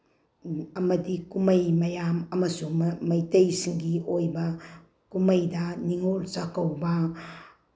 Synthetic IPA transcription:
ɐmɐdikumɐjmɐjamɐmɐsumɐjtejsiŋɡiojbɐ | kumɐjdɐniŋolsakawbɐ

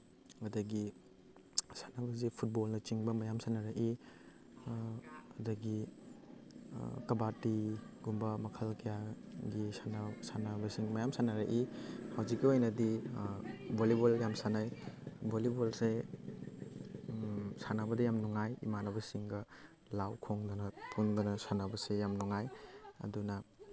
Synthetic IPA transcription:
ɐdɐɡi | sḁnabɐzipʰut̚bolnɐt͡ʃiŋbɐmɐjamsanaɾakʔi | dɐɡi | kɐbatiɡumbɐmɐkʰɐlkɐjaɡisanɐsanabɐsiŋmɐjamsanaɾɐʔihawzikːiojnɐdi | boliboljamsanajbolibolse | sanabɐdɐjamnuŋajḭmanɐbɐsiŋɡɐ | lawkʰoŋdɔnɐpʰundɔnɐsanabɐsejamnɔŋajɐ̰dunɐ

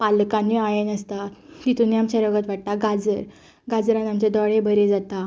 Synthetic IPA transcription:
palkãnːiajenəst̪at̪it̪uniamɕəɾəɡət̪ʋaʈ̚t̪aɡad͡zəɾ | ɡad͡zɾanamt͡ɕed̪ɔɽebʱəɾed͡zat̪a

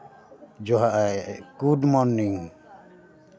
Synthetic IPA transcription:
d͡ʒɔɦaʔajkudmɔnːiŋ

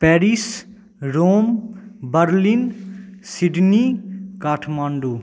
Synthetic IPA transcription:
pɛːɾis | ɾoːmbəɾlinsiɖnikaːʈʰmaːɳɖoː

